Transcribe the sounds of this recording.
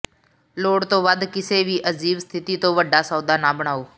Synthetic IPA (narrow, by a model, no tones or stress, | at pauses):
loːɽt̪oːʋəd̪ʱkɪseːʋiːʔəziːʋst̪ʰɪt̪iːt̪oːʋəɖʱaːsəːd̪aːnaːbəɽ̃aːoː